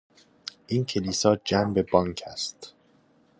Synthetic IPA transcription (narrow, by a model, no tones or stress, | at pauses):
ʔiːncʰe̞liːsɒːd͡ʒæmbe̞bɒːŋcʰæst̪